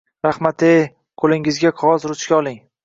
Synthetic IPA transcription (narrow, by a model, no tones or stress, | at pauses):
ɾahmat̪ʰe | qʰolɪŋɪzɡʲaqʰɒzɾʊt͡ʃkʲaɒlˠɪŋ